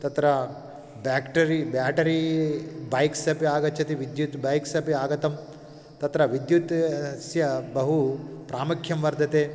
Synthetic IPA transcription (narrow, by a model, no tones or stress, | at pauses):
t̪ɐt̪ɾɐ | baːkʈɐɾibaːʈɐɾibɐjksɐpiaːɡɐt͡ʃʰɐt̪iʋid̪jut̪bɐjksɐpiaːɡɐt̪ɐm | t̪ɐt̪ɾɐʋid̪jut̪sjɐbɐɦupɾaːmɐkʰjɐmʋɐɾd̪ʱɐt̪eː